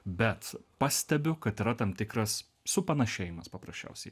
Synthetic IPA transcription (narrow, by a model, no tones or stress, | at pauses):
bʲɛt̪pɑːsʲt̪ʲɛbʲʊkɐt̪iːɾɐt̪ɐmt̪ʲɪkɾɐsː | ʊpɐnɐʃʲeːjɪmɐspɐpɾɐsʲt͡ʃʲɛ̰ʊsʲɛɪ